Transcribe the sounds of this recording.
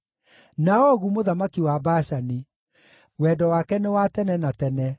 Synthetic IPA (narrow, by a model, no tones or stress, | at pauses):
naɔɣumoðamakiwabaʃani | wɛːdɔwakɛnewatɛnɛnatɛnɛ